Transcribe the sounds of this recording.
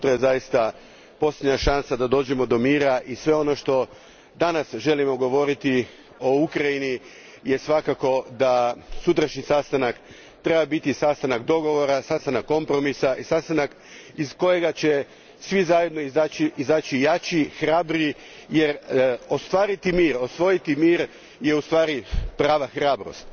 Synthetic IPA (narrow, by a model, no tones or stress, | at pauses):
ut̪ɾajezajist̪a | po̞slʲjʲed̪ɲaʃansad̪ad̪o̞ːd͡ʑemod̪o̞miːɾaʔisʋe̞o̞no̞ʃt̪o̞ | d̪anasʒe̞limoɡo̞ʋo̞ɾit̪i | o̞ukɾajini | jesʋakako̞d̪asut̪ɾaʃɲisast̪anak | t̪ɾebabit̪isast̪anakd̪o̞ɡo̞ʋo̞ɾasast̪anakːo̞mpɾo̞misaʔisast̪anak | isko̞je̞ɡat͡ɕe̞ | sʋizaje̞d̪no̞izaːt͡ɕiizaːt͡ɕijat͡ɕixɾabɾi | je̞ɾo̞st̪ʋaːɾit̪imiːɾo̞sʋo̞jit̪imiːɾ | je̞ust̪ʋaːɾipɾaːʋaxɾaːbɾo̰st̪